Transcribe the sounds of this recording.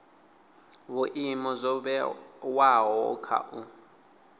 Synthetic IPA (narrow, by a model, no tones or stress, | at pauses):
βʊʔimɔzɔbɛwaɦɔ̰kʰa̰ʔu